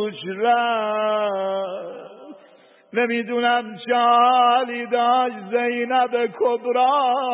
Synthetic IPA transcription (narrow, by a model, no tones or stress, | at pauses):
ut͡ʃɾæ | nemid̪unæmt͡ʃɑlid̪ɑːʃzejnæbekʰobɾɑː